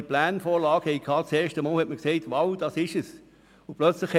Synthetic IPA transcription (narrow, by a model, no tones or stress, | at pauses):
əplæːnfoːlɑːɡ̥hɛikʰːɑːt͡seːʃtəmɑːlhɛtməkseɪtvɑwd̥ɑːsɪʃəs | ʊplœt͡slɪxhɛ